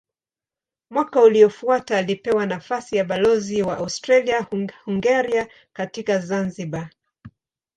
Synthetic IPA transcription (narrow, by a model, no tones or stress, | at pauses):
mwakauliɔfuataːlipɛwanafasijaɓalɔziwaʔaustɾaliahuŋɡɛɾia | katikazanziɓa